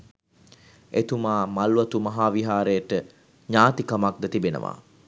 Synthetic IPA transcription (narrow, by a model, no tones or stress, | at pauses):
et̪umaːmalʋat̪umɐɦaːʋiɦaːɾejəʈə | ɲaːt̪ikamak̚d̪ət̪ibenə̰ʋa̰ː